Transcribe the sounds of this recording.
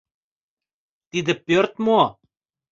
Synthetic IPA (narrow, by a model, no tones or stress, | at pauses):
t̪id̪ɘ̆pːøɾt̪mo